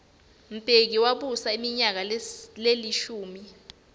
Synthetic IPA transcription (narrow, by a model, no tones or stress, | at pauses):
m̩pʼek̬iwaɓusaimiɲak̬aleliʃuːmi